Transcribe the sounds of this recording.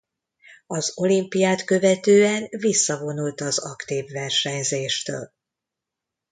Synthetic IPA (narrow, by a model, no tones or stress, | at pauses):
ɒzo̞limpijaːt̪kø̞vɛt̪øːɛnvisːɒvo̞nult̪ɒzɒkt̪iːvːɛrʃɛɲzeːʃt̪ø̰ːl